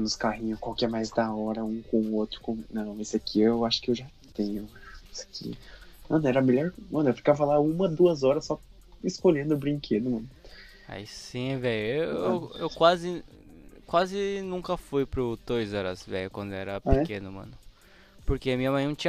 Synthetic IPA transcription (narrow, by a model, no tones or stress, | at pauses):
nʊskahĩɲʊkwawkɛɾmajzd̪aɔɾɐũkõw̃ot̪ɾʊ̥kõnɐ̃w̃esɪakʰiewaʃʊ̥kɪewʒa | t̪ẽɲʊsḁkʰḭmɐ̃nʊɛɾɐmeʎɔɾmɐ̃nʊewfi̥kavɐlaũmɐd̪uɐzɔɾɐsːɔ | ɪskoʎẽnd̪ʊʊbɾĩŋkʰed̪ʊmɐ̃nʊ | a̰isĩvɛjʊeewewkwazɪ | kwazɪnũŋkɐfujpɾʊd̪ojzɔɾɐ̰zvɛ̰jʊkwɐ̃nd̪ʊɛɾɐpeɛkẽnʊmɐ̰̃nʊ | poɾkeɐmĩɐmɐ̃j̃nɐ̃t͡ʃĩɐ